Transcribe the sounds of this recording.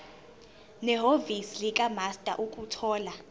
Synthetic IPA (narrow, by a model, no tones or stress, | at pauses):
nɛɦovisilikʼamastʼa̰ʔukʼutʰɔːla